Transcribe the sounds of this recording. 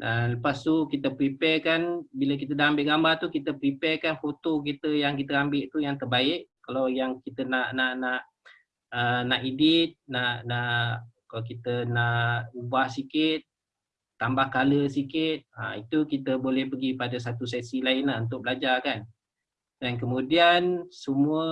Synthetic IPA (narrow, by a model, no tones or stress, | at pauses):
daləpast̪ukit̪əpɾipɛkanbilək̬it̪ədaʔambɪʔɡambart̪ukit̪əpɾipɛkanfot̪ok̬it̪əjaŋk̬it̪əambɪʔt̪ujaŋt̪ərbaɪʔkalawjaŋkit̪ənaʔnaʔnaʔ | ənaʔidɪt̪̚naʔnaʔkalakit̪ənaʔubahsikɪt̪̚ | t̪ːambahkaləsikɪt̪̚a̰it̪ukit̪əbolɛhpəɡipadas̬at̪usɛsilaɪnlaunt̪ʊʔ̚bəlad͡ʒakan | dank̬əmũdiansəmuə